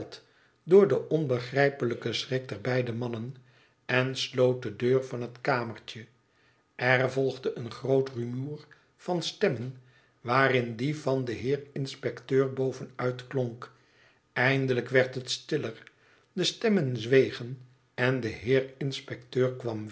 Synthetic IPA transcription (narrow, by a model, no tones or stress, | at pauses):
lˠt | dʊːɹdəʔɔnbəχrɛjpələkəsrɪk̚dɛɹbɛjdəmɑnən | ɛnslowt̚dədøːɹvɑnɦətkaːməɹt͡ʃə | ʔɛrvɔlˠχdəʔənχrowtrymuːr | v̥ɑnstɛmən | ʋaːrɪndivɑndəɦɪːɹɪnspɛktøːɹbowvənœɥtkloŋk | ɛjndələkʋɛɹtɦətstɪlər | dəstɛmənzʋejχən | ɛndəɦɪːɹɪnspɛk̚tøːɹkʋɑm